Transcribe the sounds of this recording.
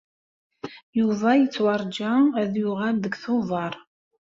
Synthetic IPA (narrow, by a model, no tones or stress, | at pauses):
juvæjət͡sːwɑɾˤd͡ʒæðjʊʁælðəɡθʊðˤɑɾˤ